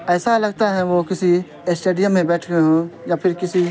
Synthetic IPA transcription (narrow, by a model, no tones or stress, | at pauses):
ɛːsalɐɡ̚t̪aɦɛʋokɪsi | sʈeːɖijəmːẽbɛːʈʰɡɐeɦõjapʰɪɾkɪsi